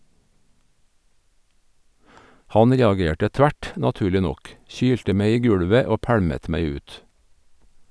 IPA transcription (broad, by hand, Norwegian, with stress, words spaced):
ˈhɑn ˈɾeːɑˌɡeːʈə ˈtʋæʈ nɑˈtʉːɭɪ ˈnɔk ˈçyːltə ˈmeɪ ˈiː ˈɡʉɽʋə ˈoː ˈpæɽmət ˈmæɪ ˈʉːt